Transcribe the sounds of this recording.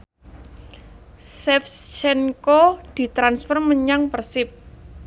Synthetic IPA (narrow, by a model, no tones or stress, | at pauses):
sɛfst͡ʃɛnkod̪̥i̤t̪ɾansfərməɲaŋpərsɪp̚